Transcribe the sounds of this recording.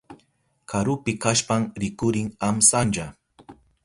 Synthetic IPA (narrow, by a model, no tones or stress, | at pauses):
kʰaɾʊpɪkaʃpamɾɪkʊɾɪŋamsand͡ʒa